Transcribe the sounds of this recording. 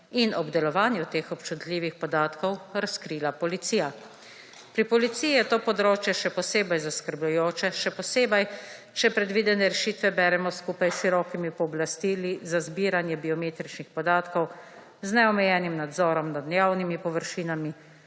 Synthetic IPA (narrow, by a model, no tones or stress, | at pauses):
inɔbd̪ɛlɔʋaːnjut̪eːxɔpt͡ʃut̪lʲiːʋixpɔd̪aːt̪kɔwɾaskɾilapɔlit̪siːja | pɾipɔlit̪siːjijɛt̪oːpɔd̪ɾoːt͡ʃjɛʃɛpɔseːbɛjzaskəɾblujoːt͡ʃɛʃɛpɔseːbɛj | t͡ʃɛpɾɛd̪ʋiːd̪ɛnɛɾɛʃiːt̪ʋɛbɛːɾɛmɔskuːpajʃiɾɔːkimipɔːblast̪ilizazbiːɾanjɛbiɔmeːt̪ɾit͡ʃnixpɔd̪aːt̪kɔw | znɛɔmɛjɛːnimnad̪zɔːɾɔmnad̪njaːwnimipɔʋəɾʃiːnami